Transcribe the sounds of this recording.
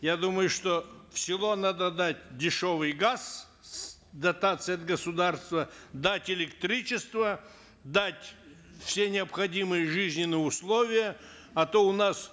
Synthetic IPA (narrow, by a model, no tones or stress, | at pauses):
jad̪uməjʊʂt̪ofsʲɪlˠonad̪əd̪atʲdʲɪʂovɨjɡas | d̪ɐt̪at̪sɨjɐt̪̚ɡəsʊd̪arst̪vəd̪atʲɪlʲɪkt̪ɾʲit͡ʃɪst̪və | d̪atʲ | fsʲe̞nʲɪɐpxɐdʲimɨjəʐɨzʲnʲɪnɨjʊslˠovʲɪjə | ɐt̪oʊnas